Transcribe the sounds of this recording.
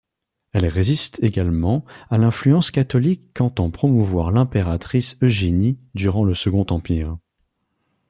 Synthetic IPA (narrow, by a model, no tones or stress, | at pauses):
ɛlʁezist̪ʰeɡalmɑ̃alɛ̃flyɑ̃skat̪ɔlikːɑ̃t̪ɑ̃pχɔmuvwaʁlɛ̃peʁat̪χisøʒenid̪yʁɑ̃ləsəɡɔ̃t̪ɑ̃piːʁ